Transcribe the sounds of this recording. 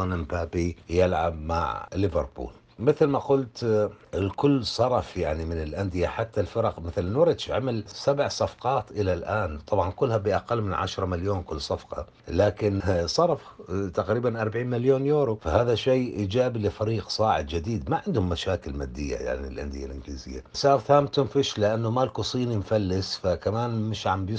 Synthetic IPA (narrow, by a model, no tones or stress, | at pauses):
ɑnɪmpaːbijɪlʕa̰b̚ma̰ʕlɪvɑ̰ɾbṵːl | mɪθlmaqʊlt̪ɪlkʊlːsˤɑɾˤɑfjaʕnimɪnɪlʔand̪ɪjaħat̪ːalfɪɾˤɑqmɪθlnuɾɪt̪ʃʕamalsabʕsˤɑfqɑːt̪ʔɪlalʔaːnt̪ˤɑbʕɑnkʊlːhabiʔaqalːmɪnʕa̰ʃɾˤɑmaljoːnkʊlːsˤɑfqɑ̰ | laːkɪnsˤɑɾˤft̪aqɾiːbanʔɑɾˤbʕiːnmaljoːnjoːɾufahaːðaʃeːʔiːd͡ʒaːbilɪfaɾiːqsˤɑːʕɪ̰d̪̚d͡ʒɪd̪iːd̪maʕɪnd̪hʊmːaʃaːkɪlma̰ːd̪ːɪjːa̰ja̰ʕniḭlʔa̰nd̪ɪja̰lʔɪnɡlḭːzɪ̰jːa̰sɑːɾˤθaːmt̪ʊmfɪʃlɪʔanːumalkusˤiːnimfalːɪsfakamaːnmɪʃʕambjɪ